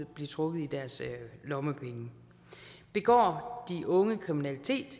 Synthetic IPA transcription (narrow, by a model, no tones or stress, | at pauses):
b̥liɐt͡sʰʁɔ̽ɡ̥ð̩ˠid̥æɐslɒ̽məpʰeŋə | b̥e̝ɡ̥ɒ̰ːd̥iʔɔ̽ŋəkʰʁiminælit͡sʰe̝̰ːd̥